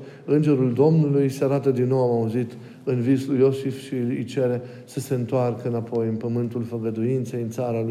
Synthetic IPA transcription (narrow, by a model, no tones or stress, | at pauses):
ɨnd͡ʒe̞ɾuld̪o̞mnulujseaɾat̪əd̪inːo̞wamauzit̪ | ɨnvislujo̞sifʃiɨ̰jt͡ʃe̞ɾe̞ | səse̞ɨnt̪oarkəɨnapo̞jɨnpəmɨnt̪ulfəɡəd̪uint̪sejɨnt̪saɾa